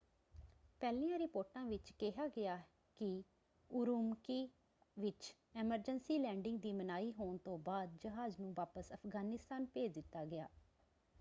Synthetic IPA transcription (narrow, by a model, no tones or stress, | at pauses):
pɛːlĩːãːɾɪpoːɾʈãːʋɪt͡ʃkɛɦaːɡɪaː | kɪ | ʊɾuːmkiː | ʋɪt͡ʃ | ɛːməɾd͡ʒənsiːlɛ̃ːɳɖɪŋɡ̚d̪iːmənaːiːɦoːɳt̪õːbaːd̪̚d͡ʒəɦaːznũːʋaːpəsəpʰɡaːnɪst̪aːnpeːd͡ʒd̪ɪt̪ːaːɡɪja̰ː